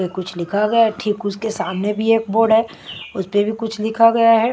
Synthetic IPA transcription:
ekʊt͡ʃʰlɪkʰaɡɐjaɦɛʈʰiːkʊskesaːmnebʱieːk̚boːɾɖɦɛː | ʊspebʱikʊt͡ʃʰlɪkʰaɡɐjaɦɛ

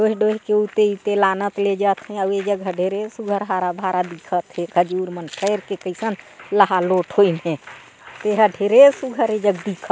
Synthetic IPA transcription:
ɖoɦɖoɦkeut̪eut̪elanət̪led͡ʒət̪ɦɛ̃əed͡ʒəɡɦəɖʱeɾesuɡʱəɾɦaɾabʱaɾad̪ikʰət̪ɦeɡʱəd͡ʒuɾmənpʰəɪɾkekəsənləɦaloʈʰɦoinɦɛ̃ | t̪eɦəɖʱeɾesuɡʱəɾed͡ʒəɡd̪ikʰə

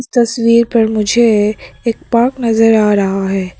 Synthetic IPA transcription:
st̪ɐswiːɾpɐɾmʊd͡ʒʱeeːk̚paːknɐzəɾaːɾɐɦaɦɛː

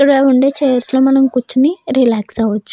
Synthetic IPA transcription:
ɐɽeuɳɖet͡ʃeːjɐɾsloːmɐnɐmkut͡ʃːuniɾilaːksaʋɐt͡ʃːu̥

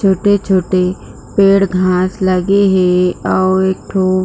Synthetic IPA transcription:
t͡ʃʰoːʈet͡ʃʰoːʈe | peːɽɡʱãːsləɡeɦɛ̃ɔːeːk̚ʈʰo

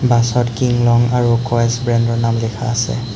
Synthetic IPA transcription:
basɔtkiŋlɔŋaɹukɔɛsbɹɛndɔɹnamlɛkʰaːsɛ̰

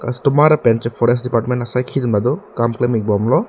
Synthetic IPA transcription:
ka̰stumaɾɐpent͡ʃepʰɔɾes̬dipaɾʈmenʈɐsajkʰid̪imlad̪ɔkamklemik̚bɔmlɔ

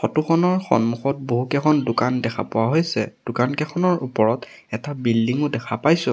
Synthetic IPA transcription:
xɔtuxɔnɔɹxɔ̰nmuxɔt̚boɦukɛkʰɔndʊkandɛkʰa̰pɔwaɦojsɛ̰d̥ʊkankɛxʰɔnɔɹupɔɹɔt | ɛtabildiŋʊdɛkʰapajsʊ̃

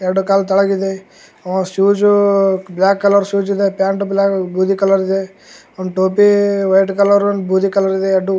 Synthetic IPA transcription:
eɾɽukaːlt̪ɐɭɐɡid̪e | ɐʋãʃuːd͡ʒublaːkːɐlɐɾsuːd͡ʒid̪epjaːɳʈublaːkbʱuːd̪ikɐlɐɾid̪e | ond̪ʈoːpiʋɐjʈkɐlɐɾɐnbʱuːd̪ikɐlɐɾid̪eɐɖu

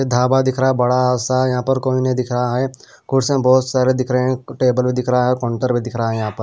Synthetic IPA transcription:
ed̪ʱaːbad̪ɪkʰɾaːɦɛbɐɽaːsajɐɦãːpɐɾkoːinɐĩd̪ɪkʰɾəɦaɦɛ | kʊɽsẽbɔːt̪saːɾed̪ɪkʰɾəeɦɛ̃ʈeːbəlbʱid̪ɪkʰɾaɦɛkɔ̃ːɳʈəɾbʱid̪ɪkʰɾaaɦɛjɐɦãːpɐɾ

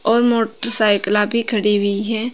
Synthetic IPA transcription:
ɔːɾmoːʈəɾsaːɪklãbʱikʰəɽiɦiɦɛ̃ː

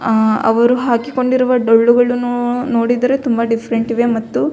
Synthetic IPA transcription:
ɐ̰ʋɐɾuɦaːkiko̞ɳɖiɾuʋɐɖoɭːuɡɐɭunno̞ːɽid̪ɐɾet̪umbɐɖipʰɐɾeɳʈiʋemɐt̪ːu

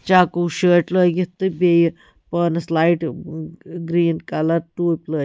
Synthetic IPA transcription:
t͡ʃaːkuʃəːʈləːɡit̪ːɨbej | pəːnɐslaːiʈ | ɡɾiːnkɐlɐɾʈuːpʲləː

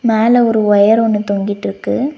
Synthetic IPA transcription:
meːlɐɔɾɯɔjɐɾɔnːɯt̪ɔŋɡɪʈːɾɯkːɯ

